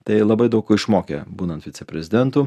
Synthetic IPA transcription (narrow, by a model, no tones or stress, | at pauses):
t̪ɐɪlˠɐbɐɪd̪ɐʊkoɪʃmoːkʲḛbuːnɐnt̪ʋʲɪtsʲɛpʲɾʲɛzʲɪd̪ʲɛnt̪uː